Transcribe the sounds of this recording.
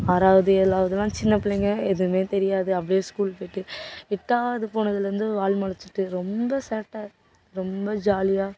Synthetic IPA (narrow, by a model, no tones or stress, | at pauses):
aːðaːʋɐðɯɛlːaːʋɐðɯlãːt͡ʃɪnːɐpːɪɭɛŋɡɐɛðɯmeːt̪ɛɾɪjaːðɯɐpːɐɽɪjeːskuːlpoːɪʈːɯɪʈːaːʋɐðɯpoːɳɐðɪlɾɐnd̪ɯʋaːlmɐɭɐt͡ʃːɪ̥ʈːɯɾɔmbɐseːʈːaː | ɾɔmbɐd͡ʒaːlɪjaː